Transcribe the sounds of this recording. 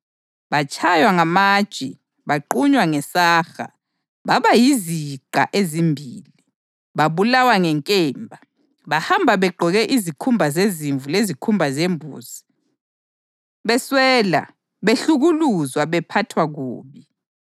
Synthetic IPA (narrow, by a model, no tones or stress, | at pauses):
βat͡ʃʼʰajwaŋamḁːʒ̥ʼʱi | βaǃuɲwaŋɛsaːxa̰ | βaβajiziɡ͡ǃʱa̰ʔezimbʱiːli | βaβulawaŋɛŋkʼɛːmbʱa | βahambʱaβɛɡ͡ǃʱɔɣɛʔizikʰumbʱazeziɱvulezikʰumbʱazembʱṵːz̥i̥ | βɛswɛːla̰ | βeɬuɣuluzwaβɛpʰatʰwaɣuːβi